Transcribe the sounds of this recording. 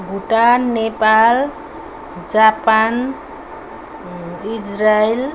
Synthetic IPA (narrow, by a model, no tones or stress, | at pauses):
ɡʱuʈanːepal | d͡ʒapan | id͡ʒɾael